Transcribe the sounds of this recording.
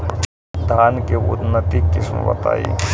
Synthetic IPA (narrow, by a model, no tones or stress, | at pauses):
d̪ʱaːnkeʊ̰d̪nːət̪ikɪsmbɐ̰t̪a̰ːḭ